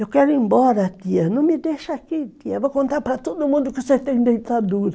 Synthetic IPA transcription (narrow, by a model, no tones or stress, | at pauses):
ewkɛɾĩmbɔɾat̪ianõŋmideʃakit̪iavokõnt̪aɾpaɾat̪ud̪omũnd̪ukeset̪ẽŋ̃dejt̪aduɾa